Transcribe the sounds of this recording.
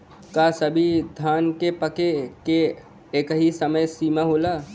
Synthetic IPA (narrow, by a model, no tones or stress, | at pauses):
kasəbʱid̪ʱaːnkepəkeke | eːkəɦisɐməjsiːmaɦoːlaː